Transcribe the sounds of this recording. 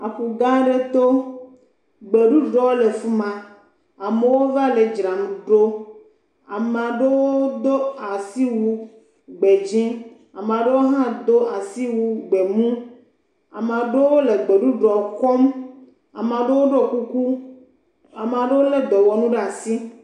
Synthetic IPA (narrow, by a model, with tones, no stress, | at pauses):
a˨ɸu˨ɡã˦ɖe˦t̪o˦ | ɡ͡be˨ɖu˦ɖɾɔ˦wo˦le˨fu˦mã˨ | a˨me˨wo˦va˦le˨d͡ʒɾa˨mũ˨ɖo˦ | a˨m˨ã˨ɖe˦wo˦d̪o˦a˨si˦wu˦ | ɡ͡be˨d͡ʒĩ˦ | a˨m˨ã˨ɖe˦wo˦ɦã˦d̪o˦a˨si˦wu˦ɡ͡be˨mũ˦ | a̰˨me˨ã˨ɖe˦wo˦le˨ɡ͡be˨ɖu˦ɖɾɔ˨kɔ˦m | a̰˨m˨ã˨ɖe˦wo˦ɖo˦ku˦ku˦ | a˨m˨ã˨ɖe˦wo˦le˦d̪ɔ˨wɔ˨nũ˦ɖa˨si˦